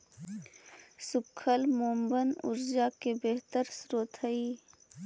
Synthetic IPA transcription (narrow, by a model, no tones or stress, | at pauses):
sʊkʰəlmoːmbənʊ̰ɾd͡ʒakebeɦt̪əɾsɾoːt̪ʰəiː